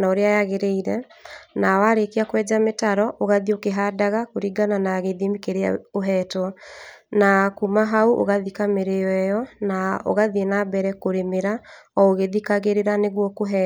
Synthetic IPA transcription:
naoɾeajaɣeɾeiɾɛnawaɾekeakwɛːd͡ʒametaɾɔʔoɣaðiokeɦadaɣakoɾiɡananaɣeðemikeɾea̰oɦɛːtwɔnakumaɦauʔo̰ɣaðikameɾeɛjɔnao̰ɣaðienabɛɾɛkoɾemeɾaɔoɣeðikaɣeɾeɾaneɣwɔkoɦɛ

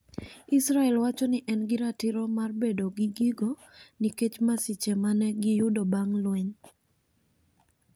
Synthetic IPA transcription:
isɾaɛlwat͡ʃɔnɪʔɛnɡɪɾatɪɾɔmarbedoɡiɡiɡo | niket͡ʃmasit͡ʃɛmanɛɡɪjʊdobaŋlweɲ

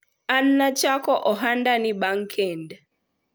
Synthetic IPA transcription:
an̩ːat͡ʃakɔʔɔɦandaniɓaŋkʰɛnd

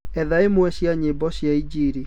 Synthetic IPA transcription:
ɛðaemwɛɕjaɲebɔɕjaid͡ʑiɾi

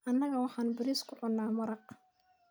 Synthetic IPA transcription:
ʔɐnːɐɣɐwɑħɑːnbɪɾiːskʰʊʕʊnːaːmɐɾɑq

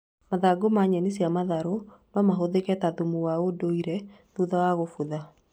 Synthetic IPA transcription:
maðaɡomaɲɛnesiamaðaɾomamaɦoðekɛtaðumuwaodoiɾɛ | ðuðawaɣofuða

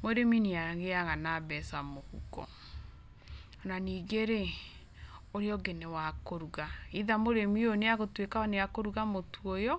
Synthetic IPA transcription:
moɾemineaɣeaɣanabɛsamohṵkɔ̰ | naniɡeɾe | oɾeɔɡenewakoɾuɣaiðamoɾemioneaɣotwekaɔneakoɾuɣamotuojɔ

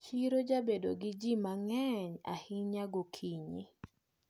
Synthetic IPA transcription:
t͡ʃiɾod͡ʒabedoɡɪd͡ʒimaŋɛɲa̰hɪɲaɡokʰiɲḭ

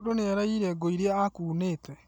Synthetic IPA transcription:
doneɛɾaiɾɛɡoiɾeaakuːneːtɛ

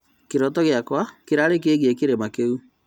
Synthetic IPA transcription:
keɾɔtɔɣjakwakeɾaɾek̬eɣekeɾemakeu

